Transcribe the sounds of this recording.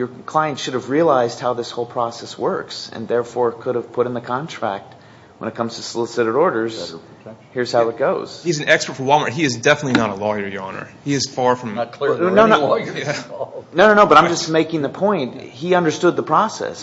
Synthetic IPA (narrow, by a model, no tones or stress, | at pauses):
jə˞kʰl̥aɪɨ̃ntʃʊɾɨvɹiɨlaɪzd̚haʊðɪshoʊlˠpʰɹ̥ɔsɛswɜ˞ksɨ̰̃nðɛɹfɔɹkʰʊɾɨv̥pʰʊɾɨ̃nðɨkʰɑ̃ntʰɹ̥æ̰k̚t̚ | wə̃nɨt̚kʰʌ̃mz̥tʰəsəlɪsɨɾɨɾɔɹɾə˞z̥ | hiɹz̥haʊɨt̚ɡ̥oʊz̥izn̩ɛkspə˞tfə˞wʌlˠməiɨzdɛfənətˡlinəɾəlɔjə˞jɑnə̰˞hiɨz̥fɑɹfɹʌ̃m̚kʰlnoʊnoænõʊnõʊnoʊbʌɾãɪ̃md͡ʒʌsmeɪkɪ̃ŋðɨpʰɔ̃ɪ̃nt̚hiʌ̃ndə˞stʊd̪̚ðəpʰɹ̥ɔsɛ̰s